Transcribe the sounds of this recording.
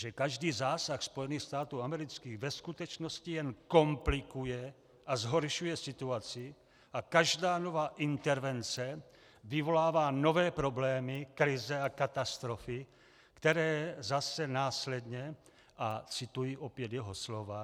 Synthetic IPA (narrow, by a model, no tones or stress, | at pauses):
ʒɛkaʒdiːzaːsaxspojɛniːxst̪aːt̪uːamɛɾɪt͡skiːɣvɛskut̪ɛt͡ʃnoscijɛnkomplɪkujɛ | ʔazɦoɾʃujɛsɪt̪uat͡sɪ | ʔakaʒdaːno̞vaːʔɪnt̪ɛɾvɛnt͡sɛ | vɪvo̞laːvaːno̞vɛːpɾo̞blɛːmɪkɾɪzɛakat̪ast̪ɾofɪ | kt̪ɛɾɛːzasɛnaːslɛd̪ɲɛ | ʔat͡sɪt̪ujiʔopjɛd̪jɛɦoslova